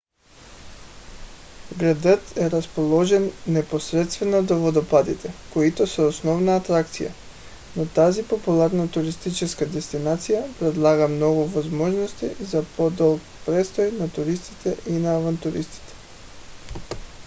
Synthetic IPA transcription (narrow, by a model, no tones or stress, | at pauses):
ɡɾad̪ət̪ɛɾaspolˠɔʒɛnːɛposɾɛt̪st̪vɛnod̪ovod̪opad̪it̪ɛkoit̪ɔsɛosnɔvnaːt̪ɾakt̪sija̰ | not̪azipopulˠaɾnat̪uɾist̪it͡ʃɛskad̪ɛst̪inat̪sijapɾɛd̪lˠaɡamnɔɡuvozmɔʒnɔst̪izapɔd̪ɔlˠk | pɾɛst̪ɔjnat̪uɾist̪it̪ɛʔinaːvant̪uɾist̪i̥t̪ɛ̥